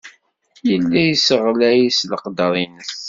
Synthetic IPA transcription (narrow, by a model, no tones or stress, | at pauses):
jəlːæjsəʁlæjisləqd̪əɾˤinəs